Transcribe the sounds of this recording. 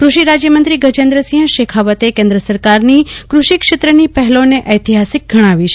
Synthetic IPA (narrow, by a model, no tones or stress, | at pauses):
kɾuʃiɾad͡ʒjəmənt̪ɾiɡəd͡ʒẽnd̪ɾəsĩɦə̃ʃekʰaʋət̪ekẽnd̪ɾəsəɾkaɾnikɾuʃikʃet̪ɾənipəɦɛloneʔəjt̪iɦasik̚ɡʱəɽ̃aʋiʃe